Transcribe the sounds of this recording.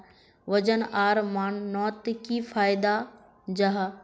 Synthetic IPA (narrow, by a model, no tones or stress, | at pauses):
ʋɐd͡ʑənaːɾmaːɳnɔːt̪kifaːɪd̪a | d͡ʑɐɦ